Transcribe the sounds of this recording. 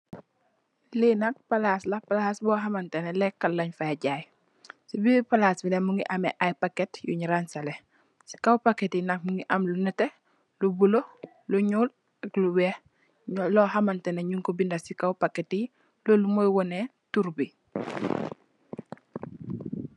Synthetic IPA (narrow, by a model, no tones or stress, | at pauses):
linɐk̚pɐlaːslɐpalaːsbɔːɦɐmɐntɛnɛlɛkːɐlːɐɲfaɟaːj | sibipɐlasbinɛmuŋɡiʔɐmɛʔajpakːɛtjṵɲiɾansɐlɛ | si̥kawpakɛtinɐk̚muŋɡiʔɐmlunɛtɛ | lubulo | luɲuːl | ɐkluwɛː | lɔhɐmɐntɛneɲuŋkɔbindɐsikawpakːɛti | loːlumojwɔnɛ | tuɾbi